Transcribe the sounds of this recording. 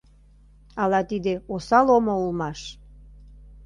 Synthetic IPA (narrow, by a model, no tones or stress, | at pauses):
ɑlɑt̪id̪eosɑlomoulmɑʃ